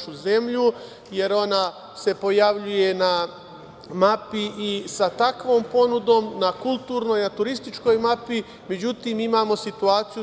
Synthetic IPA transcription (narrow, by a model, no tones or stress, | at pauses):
ʃuze̞mʎu | je̞ɾo̞na | se̞po̞jaʋʎuje̞na | mapiʔisat̪akʋo̞ːmpo̞nud̪oːmnakulˠt̪uːɾno̞jnat̪uɾist̪it͡ʃko̞jmapi | me̞d͡ʑut̪imimaːmo̞sit̪uaːt̪sij